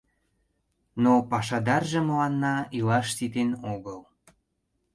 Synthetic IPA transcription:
nopɑʃɑd̪ɑrʒĕməlɑnːɑilɑʃt̪it̪enoɣəl

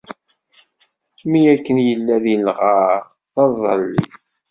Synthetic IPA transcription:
mijækːənjəlːæðilʁaɾ | θɑzˤəlːḭθ

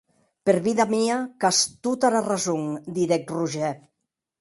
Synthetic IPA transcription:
peɾβiðamiakast̪ut̪aɾarazuŋd̪iðɛk̚ruʒɛ

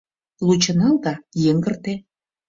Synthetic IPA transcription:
lut͡ɕə̆nɑld̪ɑjeŋɡərt̪e

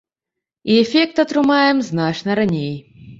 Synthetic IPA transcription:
iɛfʲek̚t̪ɐt̪ɾʊmajɛmznat͡ʂnɐɾɐnʲej

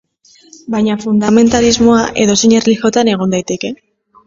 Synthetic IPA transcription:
bajɲafund̪ame̞nt̪alizmo̞aʔe̞ðo̞siɲerlixo̞t̪ane̞ɣ̞o̞nd̪ajt̪e̞ke̞

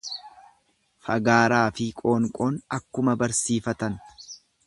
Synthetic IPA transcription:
fɐɡaːɾaːfɪkʼo̞ːŋkʼo̞ːnɐkːʊmɐbɐɾsiːfɐt̪ɐn

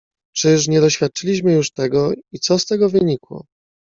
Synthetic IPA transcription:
t͡ʂɘʂ̬ɲɛd̪ɔɕfʲjat̪̚t͡ʂɘlʲiɕmɘjuʂt̪ɛɡɔit̪sɔst̪ɛɡɔvɘɲikwɔ̰

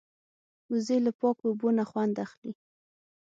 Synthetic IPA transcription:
uzelapɑkobonaxwand̪axli

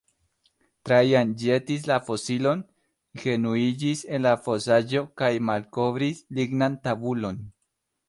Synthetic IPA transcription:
tɾajand͡ʒe̞tis̬lafo̞silo̞n | xe̞nuid͡ʒise̞nlafo̞sad͡ʒo̞kajmalko̞vɾisliɡnantabulo̞n

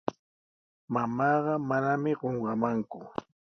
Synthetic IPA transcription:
mamɑːɢɑmanamɪɢoɴɢɑmaŋkʊ

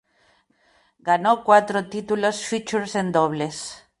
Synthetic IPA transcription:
ɡanokwat̪ɾot̪it̪ulosfit͡ʃuɾsend̪oβles

